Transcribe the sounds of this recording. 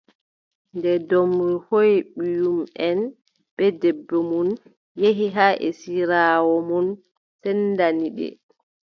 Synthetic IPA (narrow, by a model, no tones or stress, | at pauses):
ndɛdɔmɾhojɓijumɛn | ɓɛdɛbːɔmun | jeɦiɦaʔɛ̰siɾawɔmɔn | sɛnːdaniɗɛ̰